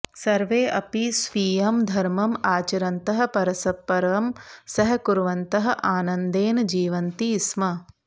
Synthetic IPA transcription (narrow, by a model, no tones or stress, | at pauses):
sɐɾʋeːʔɐpisʋiːjɐmd̪ʱɐɾmɐmaːt͡ʃɐɾɐnt̪ɐɦɐ̆pɐɾɐsɐpːɐɾʋɐmsɐɦɐ̆kuɾʋɐnt̪ɐɦɐ̆ʔaːnɐnd̪eːnɐd͡ʒiːʋɐnt̪ismɐ